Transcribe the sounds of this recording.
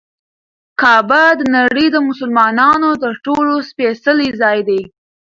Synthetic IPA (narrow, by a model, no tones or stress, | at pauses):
kɑbad̪ənaɽəjd̪əmʊsʊlmɑnɑnot̪əɾʈolospesəlizɑjd̪aj